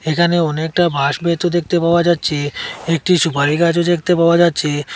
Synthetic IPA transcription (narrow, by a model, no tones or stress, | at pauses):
ekʰaneɔnek̚ʈabʱaʃbʱet̪od̪ek̚t̪epaoad͡ʑatːɕʰeek̚ʈiʃupaɾikat͡ɕod̪ekʰt̪epaoad͡ʑatːɕʰe